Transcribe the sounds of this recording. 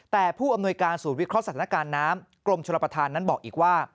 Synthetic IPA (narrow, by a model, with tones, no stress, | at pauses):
t̪ɛː˨˩pʰuː˥˩ʔa˧mnu˧əjkaː˧nsuː˨˩˦nwi˦˥kʰɾɔ˦˥sa˧t̪ʰaː˦a˧kaː˧nːaː˦˥m | klo˧mt͡ɕʰo˧la˧pɾa˧t̪ʰaː˧nːa˦˥nbɔː˨˩k̚ʔiː˨˩k̚waː˥˩